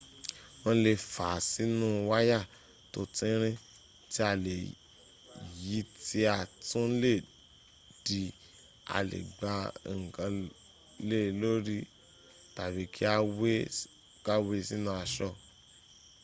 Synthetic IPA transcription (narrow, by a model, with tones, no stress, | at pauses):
wɔ̃˧˦˧le˧fa˨˦si˨˦nũ˦wa˦ja˦˨ | to˧˦tĩ˦ɾ̃ĩ˦ | ti˦a˧˨le˨ | ji˨˦ti˧a˧˨tũ˦le˦˨ | di˧ | a̰˧˨lḛ˨ɡ͡ba˧˦˨ŋ̩˨kã˧ | le˦˧lo˦ɾi˦ | ta˨βi˨˦kʰi˦a˧we˦ | ka˦we˧si˦nũ˦a˧ʃɔ˧˨